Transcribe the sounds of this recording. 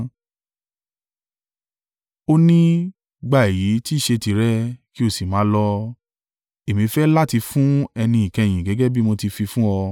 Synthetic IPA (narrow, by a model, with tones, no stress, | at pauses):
o˦nĩ˦ | ɡ͡ba˦˨e˨ji˨˦ti˦˨ʃe˧ti˨ɾɛ˦ki˦o˦˨si˨mãː˨˦lɔ˧ | e˨mĩ˨˦fɛ˦la˦ti˧fũ˦ɛ˧nĩ˧i˨kɛ̃˧˨j̃ĩ˨ɡɛ˨˦ɡɛ˦bi˦mo˧ti˧fi˧fũ˦ɔ˧